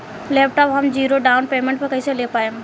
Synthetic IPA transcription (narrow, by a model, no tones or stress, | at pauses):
leːp̚ʰʈɔːpɦɐmd͡ʒiːɾoɖaːʊnpeːmẽɳʈ̚pɐɾkɐiselepaːe